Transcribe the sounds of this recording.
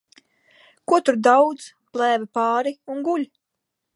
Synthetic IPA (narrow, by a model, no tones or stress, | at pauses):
kuɔt̪uɾd̪awd̪z | plˠæːvipɑːɾiunɡulʲ